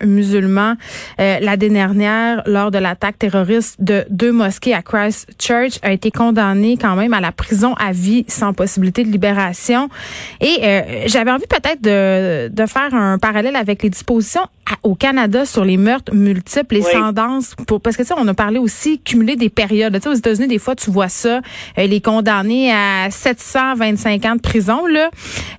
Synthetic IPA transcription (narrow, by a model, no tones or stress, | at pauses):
myzylmɑ̃ølad̪ed̪ɛʁnjɛːʁlɔːʁd̪əlat̪ak̚t̪eʁɔʁist̪d̪əd̪ømɔskʲeakʁajst͡ʃɜ˞t͡ʃaet̪ekɔ̃d̪anekɑ̃mɛ̃malapχizɔ̃ʔavisɑ̃pɔsibilit̪ed̪əlibeʁasjɔ̃eøʒavɛɑ̃vipət̪ɛːt̪χd̪əd̪əfɛːʁə̃paʁalɛlavɛkled̪ispozisjɔ̃ | aokanad̪asyʁlemœʁt̪χmylt̪iplesɑ̃d̪ɑ̃spuʁpasəkət̪seɔ̃nɔpaʁleosikʲʰymyled̪epeʁjɔd̪lət͡seozet̪azynid̪efwat̪yvwasʌilɛkɔ̃d̪aneasɛt̪sɑ̃vɛ̃t̪sɛ̃kɑ̃d̪əpχizɔ̃lʌ